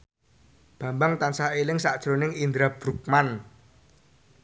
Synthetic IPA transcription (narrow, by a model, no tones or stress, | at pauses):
b̥ä̤mbaŋt̪ansaelɪŋsaʔd̥ʒ̥ɾonɪŋind̪ɾab̥ɾuk̚man